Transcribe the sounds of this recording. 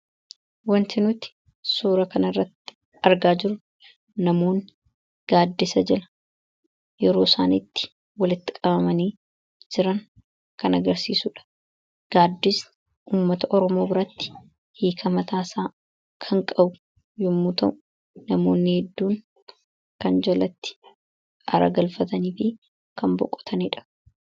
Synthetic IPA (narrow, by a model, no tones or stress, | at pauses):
wɐnt̪ɪnʊt̪ɪ̥ | suːɾɐkɐnɐɪrːɐt̪ːɪ̥ | ɐɾɡaːd͡ʒɪɾʊ | nɐmo̞ːn | ɡ̥aːd̪ːɪsɐd͡ʒɛlɐ̥ | jɛɾo̞ːsaːniːt̪ːɪ̥ | wɐlɪt̪ːɪ̥kʼɐbɐmɐniː | d͡ʒɪɾɐŋ | kɐnɐɡɐɾsiːsʊᶑɐ̥ | ɡ̥aːd̪ːɪs | ʔuːmːɐt̪ɐʔɔɾɔmo̞ːbɪɾɐt̪ːɪ̥ | hiːkʰɐmɐt̪aːsaː | kʰɐŋkʼɐbʊ | jʊmːut̪ɐʔʊ | nɐmo̞ːnːɪhɛd̪ːuːŋ | kɐnd͡ʒɐlɐt̪ːɪ̥ | ʔɐɾɐ̰ɡɐlfɐt̪ɐniːfɪ | kɐmbɔ̰kʼːɔ̥t̪ʰɐniːᶑɐ̥